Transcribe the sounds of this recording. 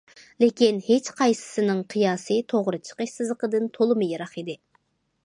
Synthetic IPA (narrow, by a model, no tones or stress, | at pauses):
lɪkʲinhet͡ʃqʰɑjsɨ̥sɨnɨŋqʰɨjɑːsɨt̪ʰoʁɾɨt͡ʃʰə̥qəʃsɨzlˠəqəd̪ɨnt̪ʰolˠɨmɨjɑɾɑχid̪ɪ